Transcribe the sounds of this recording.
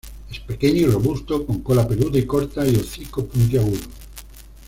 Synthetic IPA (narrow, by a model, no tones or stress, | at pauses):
espe̞keɲoiro̞βust̪okoŋkolapeluðaikoɾt̪aioθikopunt̪̬jaɣuno